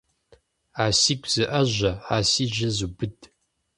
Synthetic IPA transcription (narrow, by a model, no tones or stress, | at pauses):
aːsiːkʷʰʼz̥ɨʔɐʑʷɐaːsiːʒɐzubɨdʼ